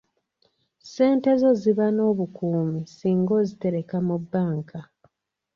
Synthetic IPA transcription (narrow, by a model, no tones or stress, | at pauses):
se̞ːnte̞zo̞ziβano̞ːβukuːmisiːŋɡo̞zite̞ɾe̞kamubːaːŋkʰa